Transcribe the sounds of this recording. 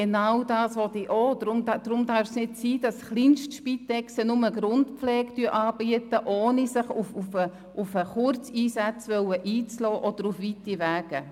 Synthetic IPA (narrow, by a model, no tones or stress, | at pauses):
enawdɑːsʋɔtiʔodɾʊmd̥ɾʊmdɑɾfsnɪtsiːd̥ɑsχlinʃtʃpitɛksənʊməɡɾʊntpflɛːɡtyːʔɑːbiətəʔoːnisɪχufufə | ʔufəχʊɾt͡siːsæt͡sʋœwəʔiːt͡slɔːʔɔd̥əɾufʋitiʋæːɡ̥ə